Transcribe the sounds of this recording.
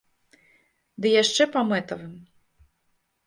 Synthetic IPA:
d̪ɨjaʂt͡ʂɛpamɛt̪ɐvɨm

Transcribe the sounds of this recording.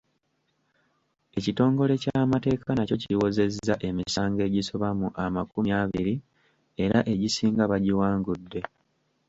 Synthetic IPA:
e̞cito̞ːŋɡo̞le̞caːmate̞ːkʰanaco̞ciwo̞ze̞zːaʔe̞misaːŋɡe̞ːɟiso̞βamuʔamakumjaβiɾi | e̞ɾaʔe̞ɟisiːŋɡaβaɟiwaːŋɡudːe̞

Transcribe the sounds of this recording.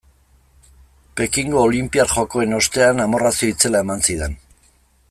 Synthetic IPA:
pekiŋɡo̞ːlimpiarʝo̞ko̞e̞no̞st̪e̞anamo̞rasioit͡se̞lae̞mansiðe̞n

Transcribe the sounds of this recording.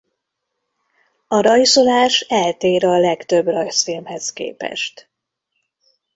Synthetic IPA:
ɒɾɒjso̞laːʃɛlt̪eːɾɒlɛkt̪ø̞brɒjsfilmhɛskḛːpɛ̰ʃt̪

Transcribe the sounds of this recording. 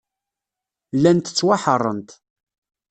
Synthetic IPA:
lːænt̪ə̥t͡sːwaħərˤːə̰nt̪

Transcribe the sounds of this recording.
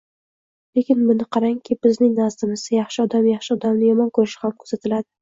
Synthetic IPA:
le̞kʲɪnbʊnɪqʰɑɾaŋkʲʰɪb̥ɪznɪŋnazd̪ɪmɪzd̪ajɑχʃɪɒd̪amjɑχʃɪɒd̪amnɪjɒmɒnkʰɵɾɪʃɪ̥hamkʰɵzat̪ʰɪlad̪ɪ

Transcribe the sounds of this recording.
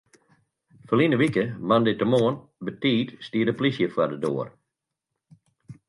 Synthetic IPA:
fəlinəʋikəmandɪtəmoːən | bətiːtstiːdəplisjəfwadədo̰ːər

